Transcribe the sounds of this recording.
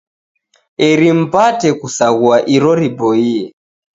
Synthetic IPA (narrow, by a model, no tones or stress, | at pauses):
ɛɾim̩patɛkusaɣuaʔiɾɔɾibɔiɛ